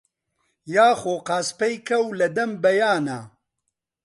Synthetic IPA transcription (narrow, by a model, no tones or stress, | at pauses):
jaːxoːqaːspɛjkʰɐwlɐd̪ɐmbɐjaːna̰